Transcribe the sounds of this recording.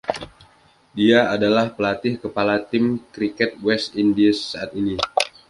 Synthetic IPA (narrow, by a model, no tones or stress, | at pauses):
diaadalahpəlat̪ɪhkəpalat̪ɪmkɾikɛt̪̚wɛst̪indisːaat̪ini